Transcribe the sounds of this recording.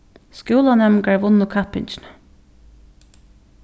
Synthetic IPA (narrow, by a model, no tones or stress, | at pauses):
skuːlanɛmkaɹʋʊnːʊkʰapɪnt͡ʃɪnə